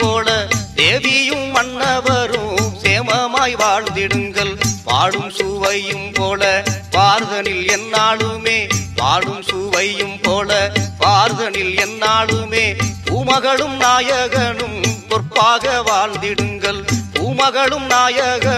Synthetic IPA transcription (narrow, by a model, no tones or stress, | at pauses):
poːlɐd̪eːʋɪjɯmːɐnːɐʋɐɾɯmseːmɐmaːjʋaːɭnd̪ɪɽɯŋɡɐlʋa̰ːɭɯmsuːʋɐjjɯmpoːlɐaːɾðɐnɪlɛnːaːɭɯmeːʋa̰ːɭɯmsuːʋɐjjɯmpoːlɐpaːɾðɐnɪlɛnːaːɭɯmeːb̥ʱuːmɐɣɐɭɯmnaːjɐɣɐnɯmpɔrpːaːɣɐʋaːɭd̪ɪɽɯŋɡɐɭbʱuːmɐɣɐɭɯmnaːjɐɣɐ